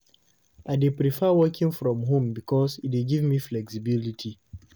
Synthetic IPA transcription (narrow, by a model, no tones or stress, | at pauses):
ʔaɪdipɹifɛwɜkʰĩŋfɹɔ̃mɦũmbikʰɔsitiɡivmiflɛksibilitʰi